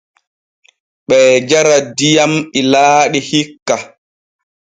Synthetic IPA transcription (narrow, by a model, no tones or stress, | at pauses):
ɓɛːd͡ʒaɾadijamilaːɗihikːa